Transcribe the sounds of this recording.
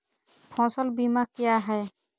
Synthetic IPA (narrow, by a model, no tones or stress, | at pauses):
pʰɔ̃ːsəlbimakjaɦɛː